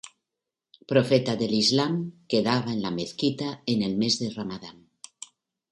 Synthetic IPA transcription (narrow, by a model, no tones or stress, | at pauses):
pɾofet̪aðelizlamkeðaβ̞aenlameθkit̪aenelmezðeramaðam